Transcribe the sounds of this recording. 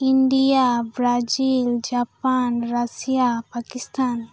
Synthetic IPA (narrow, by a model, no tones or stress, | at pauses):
iɳɖijabɾad͡ʒild͡ʒapanɾasijapakist̪ʰan